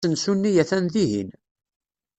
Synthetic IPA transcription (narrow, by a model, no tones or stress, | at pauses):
ənsunːijæθænðiɦḭn